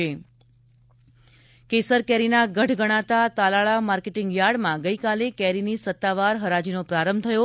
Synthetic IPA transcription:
e | kesəɾkɛɾinaɡəʈɡəɽ̃at̪at̪alaɭamaɾkeʈɪŋɡjaɽmãɡəjkalekɛɾinisət̪ːaʋaɾɦəɾad͡ʒinopɾaɾəmt̪ʰəjo

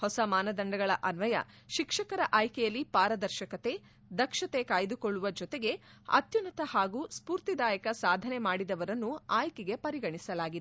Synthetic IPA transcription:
hɔsɐmaːnɐd̪ɐɳɖɐɡɐɭɐʔɐnʋɐjɐ̰ | ʃikʂɐkɐɾɐʔaːjkɛjɐlːipaːɾɐd̪ɐɾʃɐkɐt̪e̞ | d̪ɐkʂɐt̪ekaːjd̪ukɔɭːuʋɐd͡ʒɔt̪eɡe̞ | ɐ̰t̪junɐt̪ɐhaːɡuːspuːɾt̪id̪aːjɐkɐsaːd̪ʱɐne̞maːɽid̪ɐʋɐɾɐnːuaːjkɛɡe̞pɐɾiɡɐɳisɐlaːɡid̪

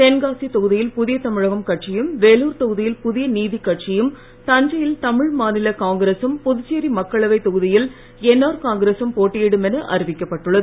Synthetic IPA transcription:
t̪ɛnɡaːsit̪ɔɣɯðɪjɪlpʊðɪjɐt̪ɐmɪɻɐɣɐmkɐʈ̚t͡ʃɪjɯmʋeːluːɾt̪ɔɣɯðɪjɪlpʊðɪjɐniːðikːɐʈ̚t͡ʃɪjɯm | t̪ɐɲd͡ʒɐjɪlt̪ɐmɪɻmaːnɪlɐkaːŋɡɪɾeːsɐmpɔðʊt͡ʃːeːɾimɐkːɐɭɐʋɐɪt̪ɔɣɯðɪjɪl | ɛnːaːɾkaːŋɡɪɾeːsɐmpoːʈːɪjɪɽɯmɛnɐʔɐ̰ɾɪʋɪkːɐpːɐʈːɯɭːɐðɯ

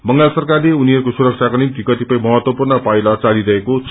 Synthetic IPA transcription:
mʌŋɡasʌrkarleuniɦʌrkosuɾʌk̚t͡sʰjakonimt̪ikʌt̪ipʌj̃mʌɦʌt̪wʌpurnʌpajlʌt͡saliɾʌɦekot͡s

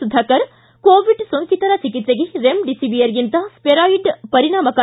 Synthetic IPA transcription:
ud̪ʱːɐkɐɾ | koːʋiɖsoŋkʰit̪ɐɾɐt͡ʃikit̪seɡeɾemɖisiʋijɐɾjint̪ɐspeɾaːiɖpɐɾiɳaːmɐka

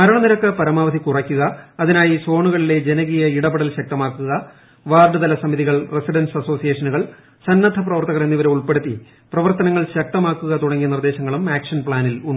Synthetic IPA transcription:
mɐɾɐɳɐniɾɐkːɐpɐɾɐmaːʋɐd̪ʱikurɐkʲːuɣɐːðinaːjiso̞ːɳuɣɐɭile̞d͡ʑe̞nɐɣijɐiɽɐbɐɽɐlɕɐk̚t̪ɐmaːkːuɣɐ | ʋaːrɖɨd̪ɐlɐsɐmiðiɣɐɭresiɖɐnsɐso̞ːsijeːʂɐnuɣɐɭ | sɐnːɐd̪ʱɐprɐʋɐrt̪ɐɣɐrenːiʋɐɾɐmuɭpeɽut̪ːi | prɐʋɐrt̪ɐnɐŋːɐɭɕɐk̚t̪ɐmaːkːuɣɐt̪uɽɐŋːiɐnird̪e̞ːɕɐŋːɐɭumaːkʂɐnpɭaːniluɳːu

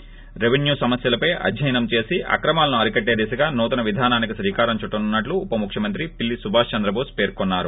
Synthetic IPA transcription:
ɾe̞ʋenjuːsɐmɐsjɐlɐpɐjɐ̰d̪ʱjɐjɐnɐmt͡ʃe̞ːsiʔɐ̰kɾɐmaːlɐnuɐɾikɐʈːeːd̪isɐɡaːnuːt̪ɐnɐʋid̪ʱaːnaːnikisɾiːkaːɾɐmt͡ʃuʈːɐnunːɐʈluːpɐmukʰjɐmɐnt̪̬ɾipilːisubʱaːst͡ʃɐnd̪ɾɐbʱoːspeːɾkonːaːɾu

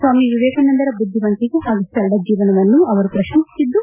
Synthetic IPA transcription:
sʋaːmiʋiʋɛːkɐnɐnd̪ɐɾɐbud̪ʱːimɐnt̪iɡeɦaːɡusɐɭɖɐd͡ʒiːʋɐnɐʋɐnːuɐʋɐɾupɾɐʃɐŋsi̥sid̪ːu

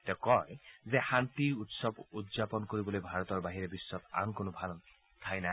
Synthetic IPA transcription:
t̪ɛkɔjzexant̪iutsɔbudzapɔnkoɹibɔlojbʱaɹɔt̪ɔɹbaɦiɹebisːɔt̪a̰nkonɔbʱal | t̪ʰajna

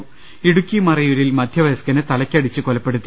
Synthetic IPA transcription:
iɽukʲːimɐrɐjuɾilmɐd̪ʱjɐʋɐjskɐnɨt̪ɐlɐkʲːɐɽit͡ɕːɨkolɐpːeɽut̪ːi

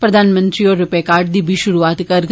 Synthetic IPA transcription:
pɾɐd̪ʱaːnmə̃nt̪ɾioːɾːʊpekaːɾʈ̚d̪iːbʱiʃʊɾuaːt̪kɐɾɡ

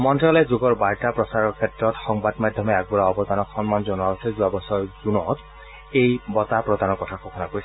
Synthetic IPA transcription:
mɔntɔlɛzoɡɔɹbaɹtapɹɔsaɹɔɹkʰetːɹɔtxɔŋbadmad̪ʱjɔmɛɛk̚bɔɹaɔbɔd̪anɔkxɔnmanzɔnuabɔtʰɛzuabɔsɔɹzunɔt | ejbɔt̪apɹɔd̪anɔkɔtʰakʰɔkʰɔnakoisʰ

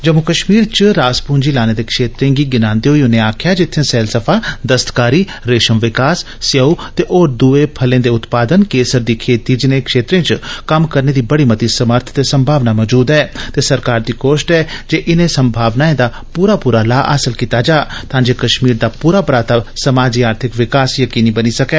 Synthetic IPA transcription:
d͡ʒəmʊkəʃmiːɾt͡ʃɾaːspuːnd͡ʒiːlaːneːd̪eːkʃeːt̪ɾẽːɡiːɡɪnãːnd̪eːɦoiːʊnẽaːkʰjaːd͡ʒɪt̪ʰːẽːsɛːlsəpʰaːd̪əst̪kaːɾiː | ɾeːʃəmʋɪkaːsːɪjəut̪eːʔoːɾd̪ueːpʰəlẽːd̪eːʊt̪paːd̪ənkeːsəɾd̪iːkʰeːt̪iːd͡ʒɪnẽːkʃeːt̪ɾẽːt͡ʃkəmkəɾneːd̪iːbəɽiːmət̪iːsəməɾt̪ʰt̪eːsəmbʱaːʋnaːmɔːd͡ʒuːd̪ɛːt̪eːsəɾkaːɾd̪iːkoːʃʈɛːd͡ʒeːʔɪnẽːsəmbʱaːʋnaːẽːd̪aː | puːɾaːpuːɾaːlaːʔa̰ːsəlkiːt̪aːd͡ʒaːt̪ãːd͡ʒeːkəʃmiːɾd̪aːpuːɾaːpɾaːt̪asəmaːd͡ʒiːaːɾt̪ʰɪkʋɪkaːsjəkiːniːbəniːsəkɛː

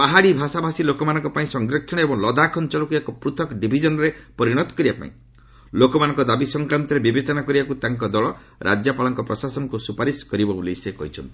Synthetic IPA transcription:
paɦaɽibʱasabʱasilokɔmanɔ̃ŋkɔpaĩsɔŋɡɾɔkʰːɔɽ̃ɔebɔŋlɔd̪akʰɔnt͡ʃɔlɔkuekɔpɾut̪ʰɔkɖibʱid͡ʒɔnɔɾepɔɾiɽ̃ɔt̪ɔ̥kɔɾibapa̰ĩ | lokɔmanɔŋkɔd̪abisɔŋkɾant̪ɔɾebibet͡ʃɔnakɔɾibakut̪aŋkɔd̪ɔɭɔ | ɾʔa̰d͡ʒjapalɔŋkɔpɾɔsasɔnɔkusupaɾiskɔɾibɔbulesekɔ̰ɦit͡ʃʰɔnt̪i̥

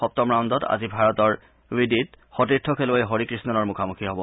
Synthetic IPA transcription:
ɔp̚tɔmɹawndɔta̰zibʱaɹɔtɔɹ | widit | xɔtiɹtʰːɔkʰeloeɦoɹikɹisnɔnɔɹmukʰamukʰiɦɔbɔ

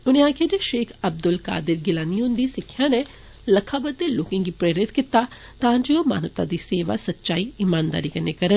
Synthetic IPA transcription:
ʊniãːkʰed͡ʒeʃeːkʰɐb̚d̪ʊlka̰ːd̪ɪɾɡɪlaːnijõnd̪isɪkʰjane | lɐkʰabɐd̪eloːkɪ̃ŋɡipɾeːɾɪt̪kɪt̪ːa | t̪ãːnd͡ʒooma̰ːnəʋt̪a̰d̪iseːʋa̰sɐtːʃaːiimaːnd̪a̰ːɾikɐɾnekɐɾə

